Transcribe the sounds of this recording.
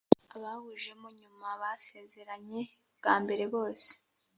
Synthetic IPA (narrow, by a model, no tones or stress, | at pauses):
aβahuʒe̞muɲumaβase̞ze̞ɾaɲe̞ | bɡ̥aːmbe̞ɾe̞βo̞ːse̥